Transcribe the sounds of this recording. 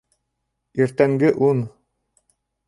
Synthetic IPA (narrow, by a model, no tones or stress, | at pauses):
iɾt̪æŋɡɘʔun